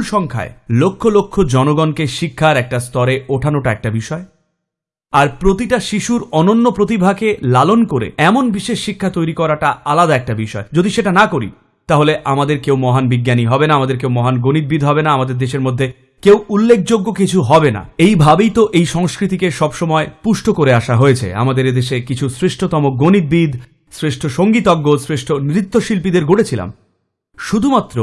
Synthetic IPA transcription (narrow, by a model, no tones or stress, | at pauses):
lʃɔŋkʰa̰elokʰːolokʰːod͡ʑɔnoɡɔnkeʃikʰːaɾɛk̚ʈast̪ɔɾeoʈʰanoʈaɛk̚ʈabiʃɔe | aɾpɾot̪iʈaʃiʃuɾɔnonːopɾot̪ibʱakelalonkoɾḛɛmonbiʃeʃːikʰːat̪ojɾikɔɾaʈaalad̪aɛk̚ʈabiʃɔed͡ʑod̪iʃeʈanakoɾḭ | t̪aɦoleʔamad̪eɾkewmɔɦanbiɡːjaniɦɔbenaamad̪eɾk̬ewmɔɦanɡonid̪̚bid̪ʱɦɔbenaamad̪eɾd̪eʃeɾmod̪ʱːe | kewulːek̚ʰd͡ʑoɡːokit͡ɕʰuɦɔbena̰ejbʱabejt̪oʔejʃɔŋskɾit̪̬ikeʃɔbʃɔmɔepuʃʈʰokoɾeaʃaɦoet͡ɕʰḛa̰mad̪eɾed̪eʃekit͡ɕʰusɾeʃʈʰot̪ɔmok̚ɡonid̪̚bid̪ | sɾeʃʈʰoʃoŋɡit̪ɔɡːosɾeʃʈʰonɾit̪ːoʃilpid̪eɾɡʱoʈet͡ɕʰila̰m | ʃud̪ʱumat̪ːɾo